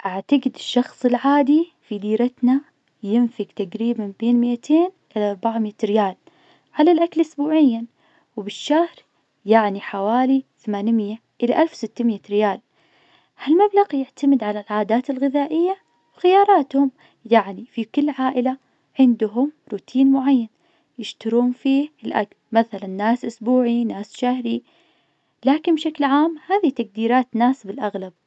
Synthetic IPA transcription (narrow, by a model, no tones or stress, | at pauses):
ʔaʕt̪aɡɪd̪ɪʃːɑxsˤɪlʕaːd̪ifid̪iːɾat̪na | jɪnfɪɡt̪aɡɾiːbanbeːnmɪʔat̪ʰeːnʔɪlaʔɑɾˤbaʕmiːt̪ɾɪjaːl | ʕalalʔaklʔʊsbuːʕɪjːan | wbɪʃːahɾ | jaʕniħawaːliθamaːnmɪjːa | ʔɪlaʔalfwsɪt̪ːamɪjat̪ɾɪjaːl | halmablaɣjɪʕt̪amɪd̪ʕalalʕaːd̪aːt̪ɪlɣɪðaːʔɪjːa | wxɪjɑːɾˤɑːt̪hʊm | jaʕnifikɪlːʕaːʔɪla | ʕɪnd̪ʊɦʊmɾuːt̪ʰiːnmʊʕajːan | jɪʃt̪ʊɾuːnfiːhɪlʔa̰klmaθalanːaːsʔʊsbuːʕinaːsʃahɾi | laːkɪnbʃaklʕaːmhaːðit̪ak̚d̪iːɾaːt̪naːsbɪlʔaɣlab̥̚